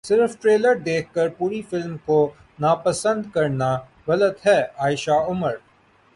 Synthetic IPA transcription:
sɪɾfʈɾeːləɾd̪eːkʰkəɾpuːɾifɪlmko | naːpəsə̃nd̪kɐɾna | ɣɐlət̪ɦɛːaːɪʃaʊməɾ

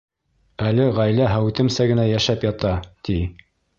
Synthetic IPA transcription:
ælɘʁæjlæɦæwt̪ɘ̆msæɡɘ̆næjæʃæpjɑt̪ɑt̪i

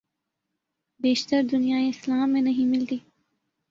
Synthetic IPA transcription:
beːʃt̪əɾd̪ʊnijaːeɪslaːmːẽnɐɦĩmɪlt̪iː

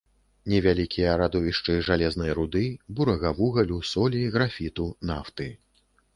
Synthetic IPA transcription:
nʲɛvʲalʲikʲijɐɾad̪ɔvʲiʂt͡ʂɨʐalʲɛznɐjɾud̪ɨbuɾɐɣɐvuɣɐlʲusɔlʲiɣɾafʲit̪unaft̪ɨ

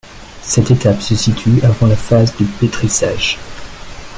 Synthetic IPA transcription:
sɛt̪et̪apsəsit̪ʰyavɑ̃lafazd̪əpet̪χisaːʒ̥

